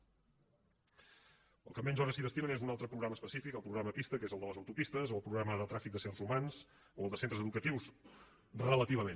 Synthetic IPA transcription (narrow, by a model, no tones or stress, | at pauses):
ə̰lˠkəmɛnʲʒɔɾðəsiðəst̪imənezunalˠt̪ɾəpɾuɣɾaməspəsifikəlˠpɾuɣɾaməpist̪əkezəlˠd̪ələzəwt̪upist̪əzoəlˠpɾuɣɾaməðət̪ɾafik̚d̪əseɾzumanz | oəlˠd̪əsent̪ɾəzəðukət̪iwz | rəələt̪iβ̞əme